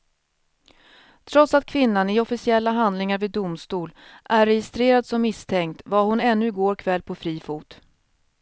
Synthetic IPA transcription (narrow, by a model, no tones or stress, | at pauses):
t̪ʰɾɔt̪sat̪̚kʰvɪnːanɪɔfɪsɪɛlːaɦand̪lɪŋaɾvɪːd̪ʊmst̪uːlʔæɾːɛjɪst̪ɾeːɾad̪sɔmːɪst̪ʰɛŋkt̪vahʊnɛnːɵɪɡoːɾkʰvɛlːpʰɔfɾiːfuːt̪